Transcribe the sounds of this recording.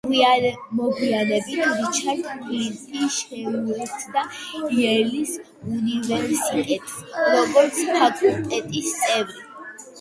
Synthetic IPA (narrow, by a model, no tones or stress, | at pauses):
mɔɡianɛbit̪ʰvit͡ʃʰaɾt̪ʰpʼilitʼiʃɛɾuɛtsd̪aiɛlis | univɛɾsit̪ʼɛps | ɾɔɡɔɾt̪sʰpʰakʼulˠt̪ʼɛt̪ʼist̪sʼɛvli